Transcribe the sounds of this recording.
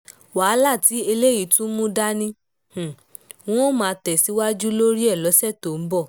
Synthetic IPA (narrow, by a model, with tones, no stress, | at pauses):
waː˨˦la˦˨ti˨˦e˧le˦ji˨˦tũ˦mũ˦da˦nĩ˧ | h̩˨ | w̃ɔ̃˦mãː˨˧tɛ˨si˨˦wa˦d͡ʒu˦lo˦ɾi˦ɛ˦˨lɔ˨˦sɛ˦˨to˨m̩˨˦bɔ˦˨